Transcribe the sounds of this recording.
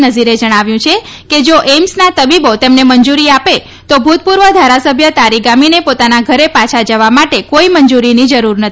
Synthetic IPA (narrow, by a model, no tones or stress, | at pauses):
nəd͡ʒiɾed͡ʒəɽ̃aʋjũt͡ʃʰe | ked͡ʒoʔemsnat̪əbibot̪emnemənd͡ʒuɾiape | t̪obʱut̪̚puɾʋəd̪ʱaɾasəbʱjət̪aɾiɡaminepot̪anaɡʱəɾepat͡ʃʰad͡ʒəʋamaʈekoiməɲd͡ʒuɾinid͡ʒəɾuɾnət̪ʰi